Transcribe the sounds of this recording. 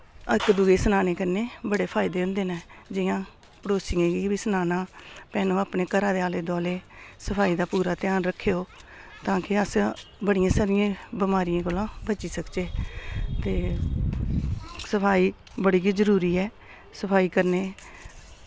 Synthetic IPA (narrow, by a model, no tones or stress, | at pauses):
əkd̪uːɡeːsənaːneːkəɾneːbəɽeːpʰaːɪd̪eːʊ̃nd̪eːnaːd͡ʒɪjãː | pəɽoːsɪːẽːɡiːʋiːsənaːnãːpɛːnõːaːpneːkəɾãːd̪eaːleːd̪ɔːleːsəpʰaːiːd̪aːpuːɾaːt̪ɪjaːnɾəkʰːeːoː | t̪ãːkɪəsbəɽɪjãːsaɾɪjãːbɪmaːɾɪjãːkoːlãːbət͡ʃiːsəkd͡ʒeːt̪eː | səpʰaːiː | bəɽiːɡizəɾuːɾiːɛː | səpʰaːiːkəɾneː